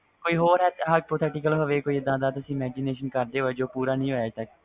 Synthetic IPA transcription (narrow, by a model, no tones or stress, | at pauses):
koːiːɦoːɾɦɛːt̪ɦəpoːt̪ʰɛːʈɪkəlɦoʋeːkoːiːɪd̪ãːd̪aːt̪ʊsĩːmɛːd͡ʒineːʃənkəɾd̪eːɦoːeːd͡ʒoːpuːɾaːnĩːɦoːjaːt̪ək̚